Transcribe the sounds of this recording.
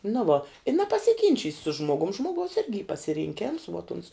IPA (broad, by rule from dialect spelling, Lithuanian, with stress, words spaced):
nʊ ˈʋoː ɪ nʲɛpɐsʲɪˈɡʲɪnʲt͡ʃʲiːsʲ sʊ ˈʒmoːɡʊm ˈʒmoːɡɐʊs ˈɪrʲɡʲɪ iː pɐsʲɪrʲɪŋʲˈkʲeːms ʋuɔt ʊns